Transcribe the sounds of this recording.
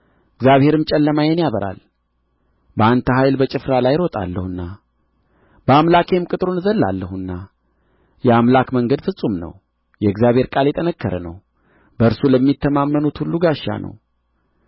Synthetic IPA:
ɨɡzjaβhe̞ɾɨmt͡ʃʼɛlːəmajɛnjaβəɾa̰l | bəant̪ʰəɦajlbət͡ʃʼɪfɾalajɾot̪ʼa̰lːəhɨnːa | bəamlakʰemkʼɨt̪ʼɾonzəlːa̰lːəhɨnːa | jɛamlakməŋɡəd̪fɨsʼːumnə̰w | jɛɨɡzjaβhe̞ɾkʼaljɛt̪ʼənəkʰːəɾənə̰w | bəɨɾsuləmːit̪ʰːəmamːənut̪hulːuɡaʃːa̰nʔə̰w

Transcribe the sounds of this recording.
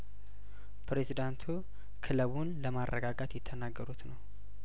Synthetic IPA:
pʰɾezid̪ant̪ʰu | kʰɨləβunləmarːʔəɡaɡat̪jɪt̪ʰːənaɡːəɾut̪nəw

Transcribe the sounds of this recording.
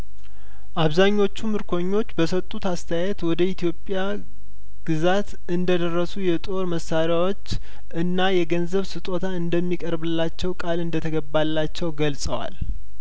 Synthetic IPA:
ʔaβzaɲːo̞t͡ʃːumɨɾkʰo̞ɲːo̞t͡ʃːbəsət̪ʼːut̪ast̪ʰəjajɛt̪wɔd̪əit̪ʰjo̞pʼja | ɡ̥ɨzat̪ | ɨnd̪əd̪ərːəsujɛt̪ʼo̞ɾməsːaɾjawo̞t͡ʃː | ʔɨnːajɛɡənzəβsɨt̪ʼo̞t̪ʰaɨnd̪əmːikʼəɾbɨlːat͡ʃːɛwkʼalɨnd̪ət̪ʰəɡəbːalːat͡ʃːɛwɡəlsʼəwa̰l

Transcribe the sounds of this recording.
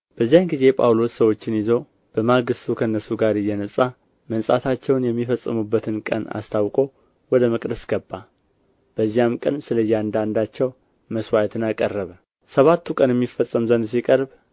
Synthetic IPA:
b̥əzːijanɡize̞pʰʼa̰wlo̞ssəwo̞t͡ʃːɪnjɪzo̞ | b̥əmaɡɨst̪ʰukʰənːəsuɡaɾɨjːɛnəsʼa | mənsʼa̰t̪ʰat͡ʃːɛwnjɛmːifəsʼːɨmubːət̪ʰɨnkʼə̰na̰st̪ʰawkʼo̞ | wɔd̪əməkʼd̪əsɡəbːa | b̥əzːijamkʼə̰nsɨləjːand̪and̪at͡ʃːɛw | məswajt̪ʰɨnakʼərːəβə | səβat̪ʰːukʼənjɛmːifəsʼːəmzənd̪sikʼəɾb

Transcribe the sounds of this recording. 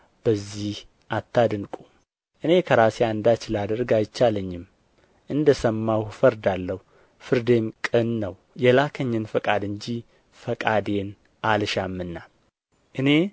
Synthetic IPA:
b̥əzːih | ʔat̪ʰːad̪ɨnkʼu | ʔɨne̞kʰəɾaseand̪at͡ʃɪlad̪əɾɡajt͡ʃːaləɲːɪm | ʔɨnd̪əsəmːawufəɾd̪alːəhu | fɨɾd̪e̞mkʼɨnːəw | jɛlakʰəɲːɨnfəkʼad̪ɨɲd͡ʒi | fəkʼad̪e̞n | ʔalʃamːɨnːa | ʔɨne̞

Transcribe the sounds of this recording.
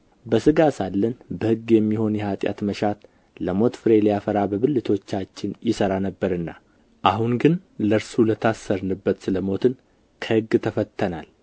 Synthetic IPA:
bəsɨɡasalːənbəhɨɡːjɛmːiho̞njɛhat̪ʼja̰t̪məʃat̪ | ləmo̞t̪fɨɾe̞lijafəɾabəβɨlːɨt̪ʰo̞t͡ʃːat͡ʃːɪnjɪsəɾanəbːəɾɨnːa̰ | ʔaɦunɡɨnləɾsulət̪ʰasːəɾnɨbːət̪sɨləmo̞t̪ʰɨn | kʰəhɨɡːt̪ʰəfət̪ʰːənal

